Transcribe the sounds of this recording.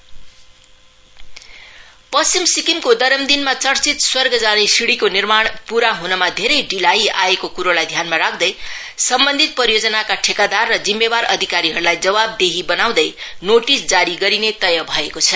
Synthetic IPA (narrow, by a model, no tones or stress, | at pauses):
pʌsimsikimkod̪ʌɾʌmd̪inmat͡sʌɽt͡sit̪swʌrɡʌd͡zanesiɽikonirmaɽ̃puɾaɦunʌmad̪ʱeɾʌjɖilaia̰ekokuɾolajd̪ʱjanmaɾak̚ʰd̪ʌj | sʌmbʌnd̪ʱit̪̚pʌɾijod͡zʌnakaʈʰekad̪arːʌd͡zimːebaɾʌ̰d̪ʱikaɾiɦʌɾulajd͡zʌbab̚d̪eɦibʌnaw̃d̪ʌjnoʈisd͡zaɾiɡʌɾinet̪ʌjʌbʱʌekot͡sʰʌ